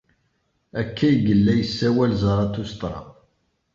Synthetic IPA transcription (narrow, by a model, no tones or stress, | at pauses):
ækːæjɡəlːæjəsːæwælzəɾˤɑt̪ːust̪ˤɾˤɑ̰